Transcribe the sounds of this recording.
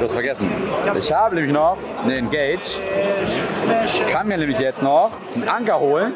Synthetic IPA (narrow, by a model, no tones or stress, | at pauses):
d̥uːastfɛɐɡɛsn̩ʔɪ̰çhaːbəneːmlɪçnɔχ | nəɛnɡ̥eːd͡ʒt | kʰanmiːɐneːmlɪçjɛt͡stnɔχ | n̩ʔaŋkɐhoːlən